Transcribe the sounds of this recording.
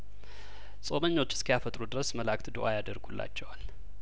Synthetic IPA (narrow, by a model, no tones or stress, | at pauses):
sʼo̞məɲːo̞t͡ʃːɪ̥skʰəjafət̪ʼɾud̪ɨɾəsməlakʼt̪d̪oʔajad̪əɾɡulːʔa̰t͡ʃːɛwal